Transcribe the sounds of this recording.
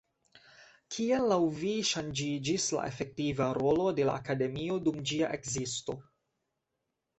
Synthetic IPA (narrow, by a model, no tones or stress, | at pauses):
kʰielːawviʃand͡ʒid͡ʒisla̰ʔe̞fe̞k̚tivaɾo̞lode̞la̰ːkade̞mio̞dumd͡ʒiaʔe̞kzisto̞